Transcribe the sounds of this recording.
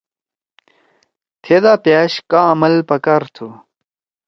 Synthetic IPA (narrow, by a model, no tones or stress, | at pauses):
t̪ʰed̪aːpjaːɕkamɐlpɐkaɾt̪ʰu